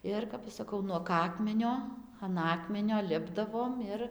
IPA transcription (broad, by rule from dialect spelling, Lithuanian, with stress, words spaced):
ˈɪr kɐp ˈɐʃ sɐˈkɐʊ nuɔk ˈɑːkmʲɛnʲoː ɐn ˈɑːkmʲɛnʲoː ˈlʲɪbdɐʋoːm ˈɪr